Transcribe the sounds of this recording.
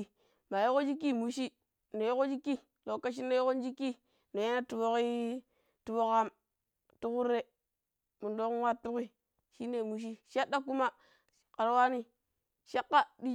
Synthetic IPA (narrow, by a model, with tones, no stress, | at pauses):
ma˨jo˦ko˦d͡ʒi˦k̬ːi˦˨mu˨ʃi˦ | no˨jo˦ko˦d͡ʒi˦kːi˦ | lo˨kːa˦ʃ̬i˦nːe˦jo˦ko˦n˦d͡ʒi˦kːi˦ | no˨ja˦na˦tu˨bo˦ki˦ | tu˨bo˦ka˦m | tu˦ku˦ɾːe˦ | mu˨ndo˦kwa˦tːu˦ki˦ | ʃi˦nːe˨mu˨ʃ̬i˦ʃa˦dːa˦ku˦ma˦ | ka˨ɾwa˦ni˦ | ʃa˦kːa˦di˦